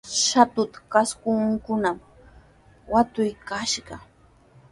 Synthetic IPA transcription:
ʃat̪ʊt̪ḁkaskʊŋŋkʊnam | wat̪ʊjkaʃɢɑ

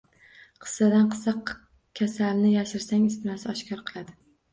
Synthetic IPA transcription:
qʰɨ̥sːad̪anqʰɨ̥sɑq | kʲʰasalnɪjaʃɪɾsaŋɪst̪ɪnasɪɒʃkʰʲɒɾqʰɨlˠad̪ɪ

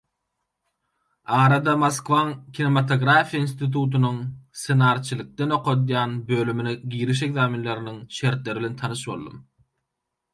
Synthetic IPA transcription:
ɑːɾɑd̪ɑmoskvɑŋkʰʲinemɑt̪ʰo̞ɡɾafijɑinst̪it̪ʰuːt̪unuŋsenɑːɾt͡ʃʰɯlˠɯk̚t̪eno̞qʰo̞d̪jɑːnbøːlymyneɡiːɾiʃ̬e̞ɡzɑːminlˠɑɾiniŋʃe̞ɾt̪le̞ɾiβilet̪ʰɑnɯʃbo̰lˠd̪ɯ̰m

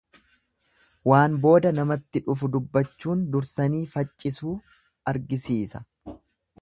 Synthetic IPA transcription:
waːnbo̞ːd̪ɐnɐmɐt̪ːɪᶑʊfʊd̪ʊbːɐt͡ʃːuːnd̪ʊɾsɐniːfɐt͡ʃʼːɪsuː | ɐɾɡɪsiːsɐ̥

